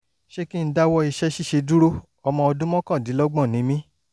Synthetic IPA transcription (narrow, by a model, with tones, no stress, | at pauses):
ʃe˦ki˦n̩˦da˦wɔ˧i˧ʃɛ˦ʃi˦˨ʃe˧du˦ɾo˦ | ɔ˧mɔ̃˧ɔ˧dũ˦mɔ̃˦kã˦˨di˨˦lɔ˦ɡ͡bɔ̃˦˨nĩ˨˦mĩ˦